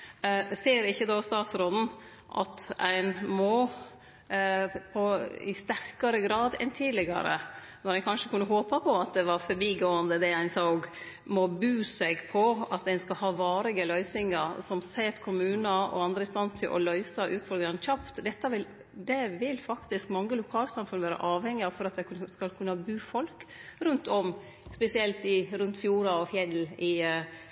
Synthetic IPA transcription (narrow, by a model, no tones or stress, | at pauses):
seːɾɪçːəd̪oːst̪ɑːt̪sɾɔd̪n̩ | ʔɑ̰t̪æɪnmoː | pʰɔɪ̰st̪æɾkɑɾəɡɾɑːd̪ɛ̰nt̪ʰiːd̪lɪɡɑ̰ɾə̰ | nɔɾæɪkʰɑnʂəkʉnːəɦoːpəpʰɔɑt̪̚d̪ɛʋɑɾfɔɾbiːɡoːənd̪əd̪ɛæɪnsɑɡ | mɔbʉːsɛɡpʰɔɑt̪̚d̪ɛnskɑɦɑːʋɑːɾɪɡəlœʏsɪŋɑɾsɔmsɛt̪kʰʊmʉːnəɔ̰ɑnd̪ɾəɪst̪ɑnt̪ʰɪlʔɔ̰lœʏsɑʔʉːt̪fɔɾd̪ɾɑnçɑpt̪d̪ɛt̪ːɑʋɪl | d̪ɛʋɪlfɑkt̪ɪskmɑŋːəlʊkʰɑːlsɑmfʉnʋæːɾə̰ʔɑːʋhɛŋːɪɑfɔɾɑt̪̚d̪ɛskɑlkʰʉnːəhɑbʉːfɔlkɾʉnt̪ʰɔm | spɛsɪɛlt̪ɪɾʉnt̪fjuːɾɑɔfjɛlːɪ